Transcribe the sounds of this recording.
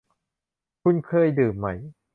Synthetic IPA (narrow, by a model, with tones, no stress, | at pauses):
kʰu˧˥˩nkʰɤː˧˥˩jdɯː˨˩mːa˦˥j